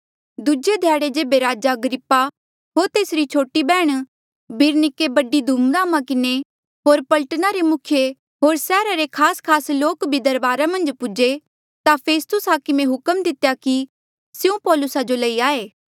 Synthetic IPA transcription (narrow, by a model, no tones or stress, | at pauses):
d̪ud͡ʒed̪ʱjaːɽed͡ʒeːbeɾaːd͡ʒaɐɡɾɪpːa | ɦoːɾt̪eːsɾit͡ʃʰoːʈibɛːɽ̃ | bʱɪɾnɪkebɐɖid̪ʱuːmɡaːmãkɪne | ɦoːɾpɐləʈnaɾemʊkʰje | ɦoːɾsɛːɾaɾekʰaːskʰaːsloːkbʱid̪ɐɾbaːɾamɐ̃nd͡ʒpʊd͡ʒe | t̪apʰeːst̪ʊsɦaːkɪmẽɦʊkəmd̪ɪt̪ejaki | sjeũpɔːlʊsad͡ʒolɐiaːeː